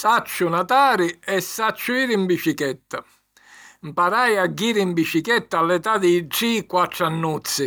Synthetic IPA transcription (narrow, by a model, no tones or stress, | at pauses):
sat͡ʃːʊnat̪aːɾiɛsːat͡ʃːuiːɾimbit͡ʃikɛt̪ːa | mpaɾajaɡːiːɾimbit͡ʃikɛt̪ːaːlːɛt̪ad̪ɛʈːikwaʈːɾanːut̪sːi